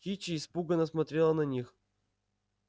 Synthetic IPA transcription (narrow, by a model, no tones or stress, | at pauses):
it͡ɕɪːspuɡənəsmɐt̪ɾʲelˠənɐnʲix